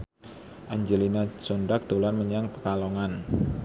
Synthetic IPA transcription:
ʔaɲd͡ʒelinat͡ʃonɖak̚t̪olanməɲaŋpəkalɔŋan

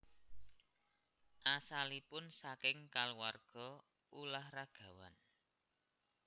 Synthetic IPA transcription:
ʔasalipʊnsakɪŋkaluwarɡ̥ɔ̤ | ulahraɡ̥ä̤wa̰n

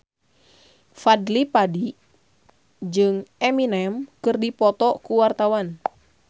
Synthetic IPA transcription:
fadlipadi | d͡ʒɨŋɛminɛmkɨrdipɔt̪ɔkuwart̪awan

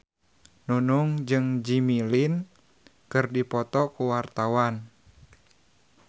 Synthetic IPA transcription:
nunuŋd͡ʒɨŋd͡ʒimilin | kɨrdipɔt̪ɔkuwart̪awan

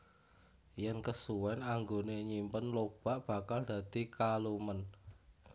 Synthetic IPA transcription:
jankəsuwɛnaŋɡoneɲimpənlob̥a̤ʔb̥a̤kald̪̥ä̤d̪ikalumən

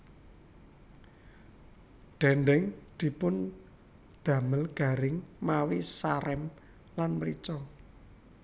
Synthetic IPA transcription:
ɖ̥ɛɳɖɛŋd̪̥i̤pʊn | d̪̥ä̤məlɡ̥a̤ɾɪŋmawisaɾɛm | lanməɾit͡ʃɔ

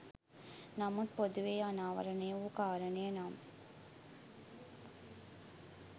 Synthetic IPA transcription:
namut̪pod̪uʋejanaːʋɐ̰ɾənejukaːɾənejənam

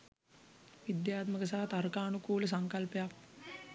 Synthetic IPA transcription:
ʋid̪jaːt̪məkəs̬aɦat̪aɾkaːnukuːləs̬aŋkalpəjak̚

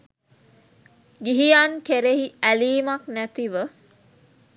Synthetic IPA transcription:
ɡiɦijaːŋkeɾeɦiæliːmɐknæt̪iʋə

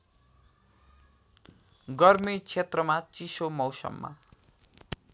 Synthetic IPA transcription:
ɡʌrmit͡sʰet̪rʌmat͡sisomʌwsʌ̰mːa̰

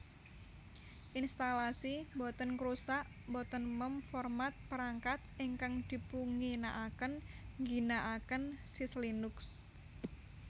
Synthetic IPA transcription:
ʔinst̪alasimbɔt̪ənkɾusaʔ | bɔt̪ənməmfɔrmat̪̚pəɾaŋkat̪̚ʔiŋkaŋd̪̥i̤puŋinaʔakənŋɡinaʔakənsislinʊks

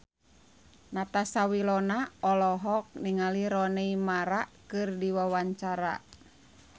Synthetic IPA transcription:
nat̪asawilɔnaɔlɔɦɔk̚niŋaliɾɔnɛimaɾakɨrdiwawaɲt͡ʃaɾa̰

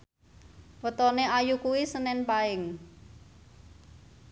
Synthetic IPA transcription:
wət̪ɔneajukuwisənɛnpaɪŋ

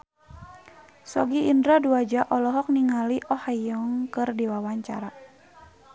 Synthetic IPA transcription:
sɔɡiːndɾaduad͡ʒaʔɔlɔɦɔk̚niŋaliʔɔhajɔŋkɨrdiwawaɲt͡ʃa̰ɾa

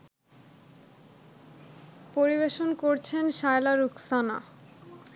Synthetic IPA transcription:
poɾiβeʃonkoɾt͡ɕʰenʃaelaɾuksana̰

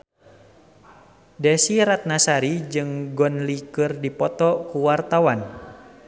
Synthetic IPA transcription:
dɛsiɾat̪̚nasaɾid͡ʒɨŋɡɔnlikɨrdipɔt̪ɔkuwart̪awan

